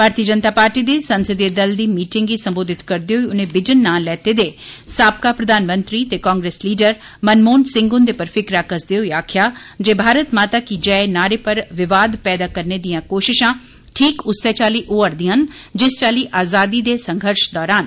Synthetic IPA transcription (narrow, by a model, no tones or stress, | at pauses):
bʱaːɾt̪iəd͡ʒənt̪aːpaːɾʈid̪esɐnsəd̪ied̪ɐld̪iːmiːʈɪ̃ŋɡisɐ̃mboːd̪ʱɪt̪kɐɾd̪ijoːiʊnẽbɪd͡ʒənːãːlɛːt̪ed̪eːsaːp̚kapɾɐd̪ʱaːnmə̃nt̪ɾit̪ekãːŋɡɾeːsliːɖəɾ | mɐnmoːnsɪ̃ŋɡʊ̃nd̪epɐɾfɪkɾakɐsd̪ejoiaːkʰjad͡ʒeːbʱaːɾət̪maːt̪akid͡ʒɛːnaːɾepɐɾʋɪʋaːd̪pɛːd̪akɐɾned̪ijãkoːʃɪʃã | ʈʰiːkʊt̪set͡ʃaːliʔoːəɾd̪ijãnd͡ʒɪst͡ʃaːliʔaːzaːd̪id̪esɐ̃ŋɡʱəɾʃd̪ɔːɾaːn